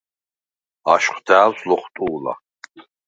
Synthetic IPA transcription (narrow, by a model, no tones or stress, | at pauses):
a̰ʃqʷd̪aːwslɔχt̪ʼuːla̰